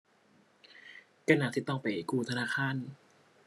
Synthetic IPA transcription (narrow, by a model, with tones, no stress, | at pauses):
ka˧na˨˧˩t̪ʰiː˦˧˩t̪ɔ˥˩ŋpa˨˩jkuː˧˩t̪ʰa˧naː˧˥˩kʰaː˧˥˨n